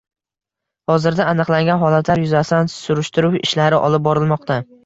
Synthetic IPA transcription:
hɒzɪɾd̪aːnɨqlaŋɡʲanɦɒlat̪ʰlaɾjʊzasɪd̪ansʊɾɪʃt̪ɪɾuwɪ̰ʃlaɾɪʔɒ̰lˠɪp̚bɒɾɪlˠmɒqt̪ʰa

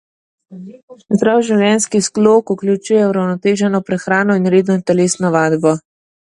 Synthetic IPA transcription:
zd̪ɾaːwʒiwljɛnskiskloːkuklʲut͡ʃuːjɛuɾawnɔt̪eːʒɛnɔpɾɛxɾaːnɔinɾeːd̪nɔt̪ɛleːsnɔʋaːd̪bɔ

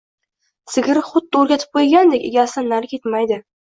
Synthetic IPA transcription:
sɪɡʲɪɾɪχʊd̪ːoɾɡʲat̪ʰɪ̥p̚qʰojɡʲand̪ekʲeɡʲasɪnːaɾkʲʰe̞t̪majd̪ɪ

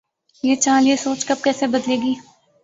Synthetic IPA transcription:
jeːt͡ʃãːljeːsoːt͡ʃkɐb̚kɛːsebəd̪leːɡiː

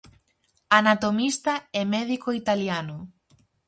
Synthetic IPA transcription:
anat̪omist̪aɛmɛðikoit̪aljanʊ

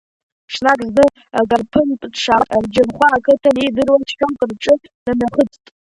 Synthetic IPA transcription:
ʂnakʼznɨ | aɡʼarpʰɨntʼʂaard͡ʒɪrχʷaːkʰɨtʰanidɨrwatʰχʲᶣamkʼɨrʈ͡ʂʼɨ | namaχət͡sʰʼtʼ

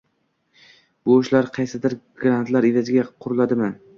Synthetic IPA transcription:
boʃlaɾqʰɑjsɪd̪ɪɾɡɾant̪ʰlaɾɪvazɪɡʲaqʰʊɾʊlˠad̪ɪman

